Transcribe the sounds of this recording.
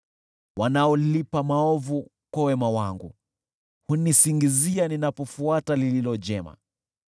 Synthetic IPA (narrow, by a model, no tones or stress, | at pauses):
wanaɔlipamaɔvu | kwawɛmawaŋɡu | hunisiŋɡizianinapɔfuatalililɔd͡ʒɛma̰